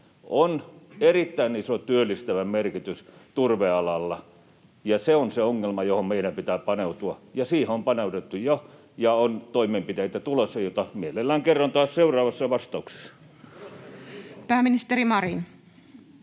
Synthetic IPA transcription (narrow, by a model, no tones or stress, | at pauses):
onerit̪ːæˑinisot̪yølːist̪æʋæmerkit̪yst̪urʋeɑlɑlːɑ | jɑseonseoŋːelmɑjohommeˑiɾæmpit̪æːpɑneut̪uɑjɑsiːhompɑneˑut̪et̪ːujo | jɑont̪oimˑeːmpit̪eit̪æt̪ulosːɑjot̪ɑmielelːæːŋkerːɑnt̪ɑːˑsseurˑɑːʋɑsːɑʋɑst̪ɑˑukse̥sːɑ̥ | pæːmːinist̪eɾimɑrin